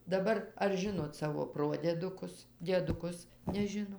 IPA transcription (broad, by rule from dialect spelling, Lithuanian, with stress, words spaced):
dɐˈbɐr ɐr ˈʒʲɪnoːt ˈsɑːʋoː ˈproːdʲiɛdʊkʊs dʲiɛdʊˈkʊs nʲɛˈʒʲɪnoː